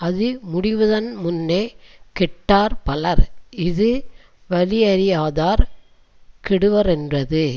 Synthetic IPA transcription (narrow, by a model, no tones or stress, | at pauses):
ɐðɯmʊɽɪʋɐðɐnmʊnːeːkɪʈːaːɾpɐlɐɾɪðɯ | ʋɐlɪɐɾɪjaːðaːɾ | kɪɽɯʋɐɾɛndrɐðɯ